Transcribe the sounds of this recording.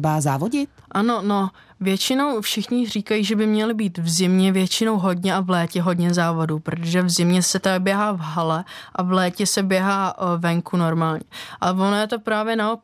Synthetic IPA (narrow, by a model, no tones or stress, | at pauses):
baːzaːvoɟɪt̪ʔano̞no̞ | vjɛt͡ʃɪno̞wfʃɪxɲɪr̝iːkajiːʒɛbɪmɲɛlɪbiːt̪vzɪmɲɛvjɛt͡ʃɪno̞wɦo̞dɲɛʔavlɛːcɛɦo̞dɲɛzaːvo̞dupɾot̪oʒɛvzɪmɲɛsɛt̪abjɛɦaːvɦalɛʔavlɛːcɛsɛbjɛɦaːvɛŋkuno̞ɾmaːlɲɛʔavo̞nojɛt̪o̞pɾaːvjɛnaop